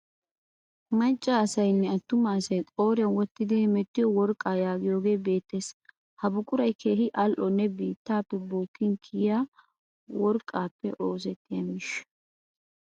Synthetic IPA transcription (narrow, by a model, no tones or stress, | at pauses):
mɐnt͡ʃʼːaːsɐjnːɛɐt̪ːʊmːɐsɐjkʼo̞ːɾɪɐnwɔt̪ːɪd̪ɛmɛt̪ːɪjɔwɔɾkʼːaːjaːɡɪjo̞ːɡe̞ːbe̞ːt̪ːeːs | hɐbʊkʼːʊɾɐjkʰeːhɪʔɐlʔɔnːɛbiːt̪ːaːpːɛboːkːɪŋkʰɪːjaː | wɔɾkʼaːpːɛʔo̞ːs̬ɛt̪ːɪjɐmɪʃ